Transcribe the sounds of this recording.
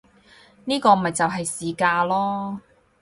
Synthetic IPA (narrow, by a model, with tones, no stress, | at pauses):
niː˥kɔː˧m̩˨mɐ˨jt͡sɐ˨wɦɐ˨jsiː˨kaː˧lɔː˥